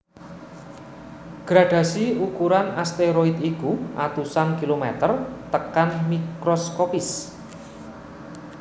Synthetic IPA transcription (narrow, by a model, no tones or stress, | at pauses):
ɡ̥ɾaɖ̥ä̤siukuɾanast̪eɾoit̪ikuʔa̰t̪usankilomɛt̪ərt̪əkanmikɾɔskopɪs